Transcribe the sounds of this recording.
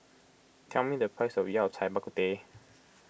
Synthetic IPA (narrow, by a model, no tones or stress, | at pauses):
t̪ʰãmĩd̪əpʰasojawt͡sʰajbakut̪e